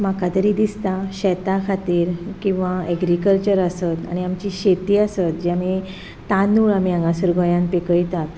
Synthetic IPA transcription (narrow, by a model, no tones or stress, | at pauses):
makʰat̪əɾid̪ist̪aɕɛt̪akʰat̪iːɾkĩw̃ʋaɛɡɾikəlt͡ɕəɾəsət̪a̰ɽ̃iamt͡ɕiɕet̪iːəsət̪̚d͡ʑami | t̪anuːɭamiãŋɡãsəɾɡɔjãnpekəjt̪at̪